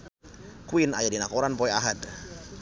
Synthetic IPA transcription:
kuina̰jadinakɔɾanpɔɛaɦat̪

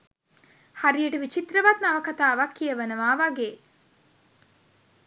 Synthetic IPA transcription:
haɾijəʈəʋit͡ʃit̪ɾəʋat̪naʋəkat̪aːʋakːijəʋənəʋaːʋaɡeː

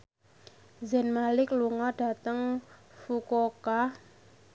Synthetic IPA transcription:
zɛnmalɪkluŋɔɖ̥a̤t̪əŋfukoka

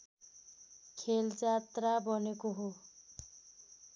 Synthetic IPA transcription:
kʰeld͡zat̪rabʌnekoɦo

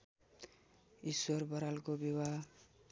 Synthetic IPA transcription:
iswʌrbʌɾalkobiwa

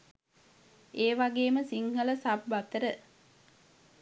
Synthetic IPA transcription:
eːʋaɡeːməsiŋhələsabːat̪əɾə

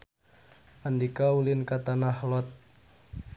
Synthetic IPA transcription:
ʔandikaulɪnkat̪anahlɔt̪̚

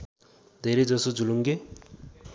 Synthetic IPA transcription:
d̪ʱeɾed͡zʌsod͡zuluŋɡe

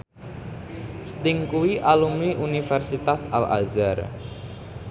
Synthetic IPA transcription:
st̪ɪŋkuwiʔalumiʔunifɛrsit̪asa̰la̰zar

